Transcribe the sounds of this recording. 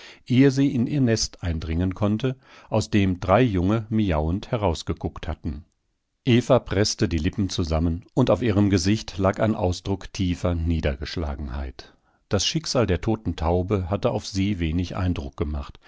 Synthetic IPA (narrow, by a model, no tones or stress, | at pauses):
ʔeːəziːʔɪnʔiːɐnɛstʔaɪndʁɪŋənkʰɔntə | ʔaʊsd̥eːmdʁaɪjʊŋəmiaʊənthɛʁaʊsɡ̥əɡʊkthatn̩ | ʔeːfapʁ̥ɛstədiːlɪpm̩t͡suzamənʔʊntaʊfiːʁ̞əmɡəzɪçtlaːkaɪnʔa̰ʊsd̥ʁʊktʰiːfɐniːdɐɡəʃla̰ːɡŋ̩ha̰ɪt | d̥asʃɪkz̥aːldeːɐtʰoːtn̩tʰaʊbəɦatəʔa̰ʊfz̥iːveːnɪçʔa̰ɪndʁʊk̚ɡ̥əmaχt